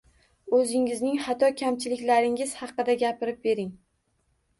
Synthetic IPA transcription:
ɵzɪŋɪznɪŋhat̪ʰɒkʲʰamt͡ʃʰɪlɪkʲlaɾɪŋɪz̥hɑqːɨd̪aɡʲapɪɾɪp̚be̞ɾɪŋ

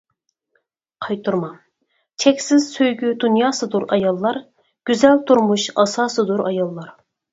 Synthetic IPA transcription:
qʰɑjt̪ʰuɾmɑ | t͡ʃʰɛkʲsɪz̥søjɡʲyd̪unjɑːsɨd̪uɾɑjɑlˠːɑɾ | ɡ̥ʲyzɛlt̪ʰuɾmuʃɑsɑːsɨd̪uɾʔɑjɑlˠːɑɾ

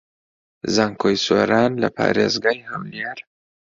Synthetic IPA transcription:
zaŋkʰojso̰ːɾaːnlɐ̰pʰa̰ːɾḛːzɡaːjhɐwleɾ

